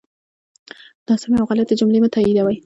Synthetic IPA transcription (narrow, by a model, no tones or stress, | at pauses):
n̥ɑsamjawɣalat̪əd͡ʒʊmlemat̪ʰaid̪awaj